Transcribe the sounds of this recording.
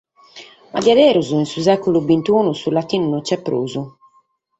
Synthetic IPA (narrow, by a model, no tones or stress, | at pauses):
a̰diad̪ɛːɾuzuinsusɛkulubint̪uːnusulat̪ːiːnunɔt͡ʃːɛpːɾo̰ːzu